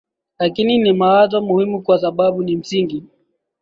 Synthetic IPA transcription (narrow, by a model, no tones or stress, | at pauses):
lakininimawazwamuhimukwasaɓaɓunim̩siŋɡi